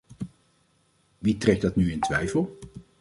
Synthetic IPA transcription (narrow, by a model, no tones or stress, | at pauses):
ʋitrɛk̚dɑtnyɪntʋɛjfəlˠ